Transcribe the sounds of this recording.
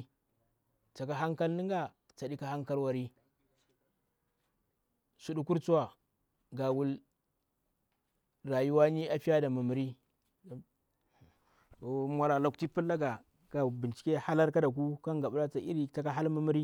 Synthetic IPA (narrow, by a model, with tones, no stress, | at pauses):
t͡sa˨ka˨ɦa˦ŋka˦lni˦ŋɡa˨ | t͡sa˨di˦ka˦ha˦ŋka˦lwa˨ɾi˦ | su˨ɗu˦ku˦ɾt͡su˦wa˨ | ɡa˨wu˦l | ɾa˨ju˦wa˦ni˦a˦fi˦ja˦da˨mu˨mu˨ɾi˦˨ | o˨mwa˦la˨la˨kti˦pu˦lːa˦ɡa˨ | ka˨bi˨nt͡ʃi̥˦kʲe˦ha˦la˦ɾka˦da˨k̬u˦ka˦ŋɡa˨ɓu˦la˦t͡sa˨ḭ˦ɾi˦ta˨ka˦ɦa˦lmu˦mi˦ɾi˦